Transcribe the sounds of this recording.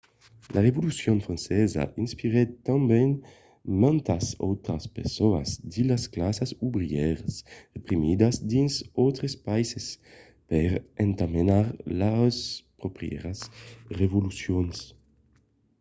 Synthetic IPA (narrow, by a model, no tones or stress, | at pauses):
lʔaʁevolusjonfɾãnsɛza̰ʔinspiɾet̪ãmbɛn | mãnt̪asowt̪ɾaspeʁsoa̰zd̪ilasklasasubɾiɛɾasʁepɾimid̪azd̪insowt̪ɾespajses | pɛɾeŋt̪amenaɾlaspɾopɾjɛ̰ɾasrevolusjons